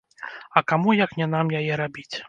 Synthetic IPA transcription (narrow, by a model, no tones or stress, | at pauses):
ɐkamujɐknʲɛn̪amjajɛɾabʲit͡sʲ